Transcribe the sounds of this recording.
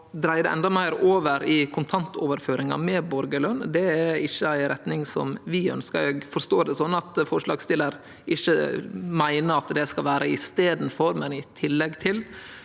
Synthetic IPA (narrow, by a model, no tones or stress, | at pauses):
d̪ɾæɪd̪ɛ̰ɛ̰nd̪ɑmæɪɾoːʋəɾɪkʰʊnt̪ʰɑnt̪ʰoːʋəɾføːɾɪŋɑ̰mɛbɔɾɡəlœnd̪ɛæɾɪçːəæɪɾɛt̪nɪŋsɔ̰mʋɪœ̰nskə̰ɾɛɡfɔɾʂt̪oːd̪ɛsɔnːɑt̪fɔʂɭɑ̰ːɡst̪ɪləɾ | ʔɪçːəmæɪnəɾɑt̪d̪ɛskɑlʋæːɾʔəɪst̪eːd̪n̩fɔɾmɛnɪt̪ʰɪlːɛɡt̪ʰɪl